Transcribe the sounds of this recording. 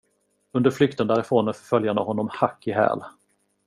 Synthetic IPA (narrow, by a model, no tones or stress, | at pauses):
ɵnd̪əɾflʏk̚t̪ənd̪æːɾɛfoːnəfœɾfœljanəhɔnːɔmhakːɪɦɛ̰ːl